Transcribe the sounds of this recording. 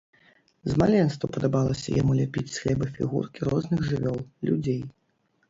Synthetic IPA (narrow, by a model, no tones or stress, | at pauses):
zmalʲɛnst̪vɐpɐd̪abalˠɐsʲɐ̰jamulʲapʲit͡sʲsʲlʲɛbɨfʲḭɣṵrkʲiɾɔznɨɣʐɨvʲɔlˠlʲṵd͡zʲej